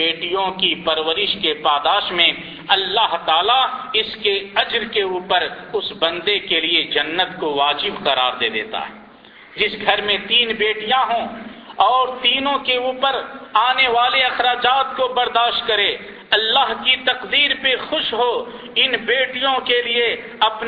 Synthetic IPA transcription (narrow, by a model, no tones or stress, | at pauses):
eːʈijõkipɐɾʋəɾɪʃkepaːd̪aːʃmẽ | ɐlːaɦt̪aːlaɪskeɐd͡ʒɾkeuːpəɾʊsbɐ̃nd̪ekelied͡ʒɐnːət̪koʋaːd͡ʒɪbqɐɾa̰ːɾd̪ḛːd̪ḛːt̪a̰ːɦɛ̰ː | d͡ʒɪsɡʱɐɾmẽt̪iːnbeːʈijãɦõɔːɾt̪iːnõkeuːpəɾaːneʋaːleɐxɾaːd͡ʒaːt̪kobɐɾd̪aːʃʈ̪̚kɐɾeː | ɐlːaːɦkit̪ɐqd̪iːɾpexʊʃɦo | ɪnbeːʈijõkelie | ɐpn